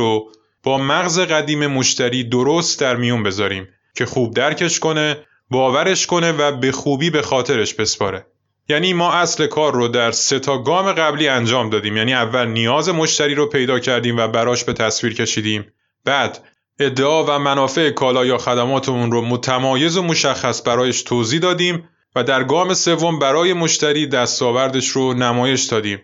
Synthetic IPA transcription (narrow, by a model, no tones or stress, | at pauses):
o | b̥ɒːmæɣze̞ɣæd̪iːme̞mo̞ʃt̪ʰæɾiːd̪oɾost̪̚d̪æɾmijunbe̞zɒːɾiːm | cʰe̞xuːb̚d̪æɾcʰe̞ʃko̞ne̞ | bɒːvæɾe̞ʃko̞ne̞væbe̞xuːbiːbe̞xɒːt̪ʰe̞ɾe̞ʃbe̞spɒ̰ːɾe̞ | jæːniːmɒːʔæsle̞kʰɒːrːod̪æɾse̞t̪ʰɒːɡɒːme̞ɣæbliːænd͡ʒɒːmd̪ɒːd̪iːmjæːniːævːælnijɒːze̞mo̞ʃt̪æɾiːɾopʰe̞jd̪ɒːcʰæɾd̪iːmvæbæɾɒːʃbe̞t̪ʰæsviːɾcʰe̞ʃiːd̪iːm | b̥æːd̪ | e̞d̪ːe̞ʔɒːvæmænɒːfe̞ekʰɒːlɒːjɒːxæd̪æmɒːt̪ʰemunromot̪ʰæmɒːje̞zomo̞ʃæxːæsbæɾɒːjeʃt̪ʰoːziːd̪ɒːd̪iːm | væd̪æɾɡɒːme̞se̞vːo̞mbæɾɒːje̞mo̞ʃt̪æɾiːd̪æst̪ɒːvæɾd̪e̞ʃɾonæmɒːje̞ʃd̪ɒːd̪iːm